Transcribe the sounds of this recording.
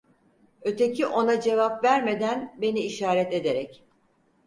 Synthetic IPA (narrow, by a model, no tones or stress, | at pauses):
ø̞t̪ʰecʰiʔo̞nad͡ʒe̞vapvæɾme̞d̪ænbe̞niːʃaːɾɛt̪e̞d̪eɾɛc